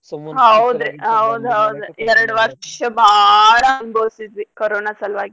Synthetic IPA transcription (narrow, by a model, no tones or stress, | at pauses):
ɦɐud̪uɦɐwud̪uɦɐwd̪uɛɾɐɽuʋɐɾʂɐbʱaɭɐːɐmboːsid̪ikoɾoːnaːsɐlʋaːɡi